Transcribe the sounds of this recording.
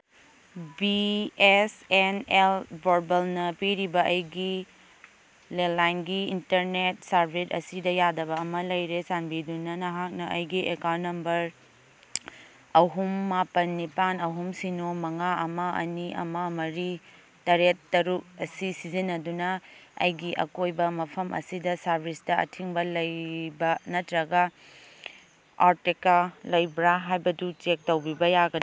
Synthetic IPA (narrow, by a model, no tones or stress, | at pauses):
biesenelbʱoɾbɐlnɐpiɾibɐʔɐjɡi | lelajnɡiintɐɾnet̚saɾbʰʱetɐ̰sidɐjadɐbɐːmɐlɐjɾesanbidunɐnɐɦak̚nɐʔɐjɡiʔekawntːɐmbɐɾ | ɐɦumːapɐnːipanɐɦumsinomɐŋaʔɐmɐʔɐ̰niʔɐ̰mɐmɐɾi | tɐɾetːɐɾuk̚ɐsisizinɐdunɐɐ̰jɡiʔɐ̰kojbɐmɐpʰɐmʔɐ̰sidɐsɐɾbʱisdɐɐ̰tʰiŋbɐlɐjbɐnɐtɾɐɡɐ | aɾtikalɐjbɾaɦajbɐdut͡ʃek̚tɐwbibɐjaɡɐdi